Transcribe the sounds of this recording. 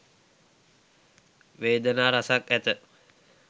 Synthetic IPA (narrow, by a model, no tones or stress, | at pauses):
ʋeːd̪ənaːɾasakæt̪ə